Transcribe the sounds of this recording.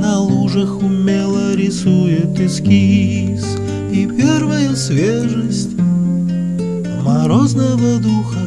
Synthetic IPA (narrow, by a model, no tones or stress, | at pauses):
nɐlˠuʐəxʊmʲelˠəɾʲɪsujɪt̪ɪskʲiii | s | ipʲervəjəsʲvʲeʐəsʲtʲ | mɐɾoznəvəd̪uxə